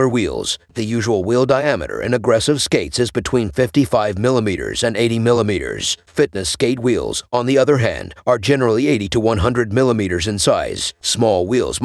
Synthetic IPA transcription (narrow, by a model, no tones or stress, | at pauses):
ə˞wḭlˠz̥ðɨjʉʒəwl̩ˠwilˠdaɪæmɨ̰ɾə̰˞ʔɨ̰̃nɨɡɹɛsɨv̥skeɪtsɨzbɨtʰw̥ĩnfɪftifaɪvmɪlˠəmiɾə̰˞zɨ̃neɪɾimɪlˠəmiɾə̰˞z̥fɪtⁿnɨskeɪt̚wḭlˠz̥̃n̩ðiʌðə˞ɦæ̰̃ndə˞d͡ʒɛnə˞l̩ˠieɪɾiɾəwʌ̃nɦʌ̃ndɹɨd̚mɪlˠəmiɾə˞zɨ̃nsaɪz̥smɔlˠwilˠz